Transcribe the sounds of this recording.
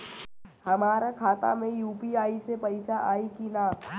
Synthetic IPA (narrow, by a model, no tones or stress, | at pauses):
hɐmaːɾakʰaːt̪a̰mẽjuːpiaːisepɐɪsaʔaːikinaː